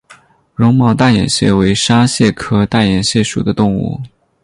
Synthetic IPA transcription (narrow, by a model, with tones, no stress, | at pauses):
ɻʊ˧˥ŋmɑ˥˧ʊt̪a˥˩jɛ̰˨˩nɕjɛ̰˥˩we˧˥ɪʂa˥ɕjɛ˥˩kʰɤ˥t̪a˥˩jɛ˨˩nɕjɛ˥˩ʂu˨˩d̪ə˦t̪ʊ˥˧ŋṵ˥˩